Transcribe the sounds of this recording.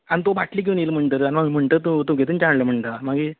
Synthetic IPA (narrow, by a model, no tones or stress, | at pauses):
anit̪obaʈliːk̬iʋnilm̤əɳʈ̪əɾanimam̤əɳʈ̪əːt̪ut̪oɡʱet̪uːnt͡ɕaɳləːm̤əɳʈ̪amaɡi